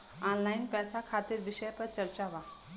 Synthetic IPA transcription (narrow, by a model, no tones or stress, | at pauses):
aːnlaːɪnpɛːsakʰaːt̪ɪɾʋɪʃəjpɐɾt͡ʃɐɾt͡ʃaʋaː